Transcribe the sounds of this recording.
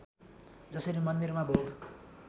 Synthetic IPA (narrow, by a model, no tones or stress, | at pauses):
d͡zʌsʌɾimʌnd̪irmabʱoɡ